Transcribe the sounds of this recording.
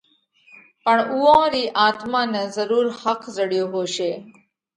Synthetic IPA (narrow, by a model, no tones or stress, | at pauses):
pəɳuːõːɾiːʔaːt̪mãːnezəɾuːɾhəkʰzəɽjoːɦoːʃeː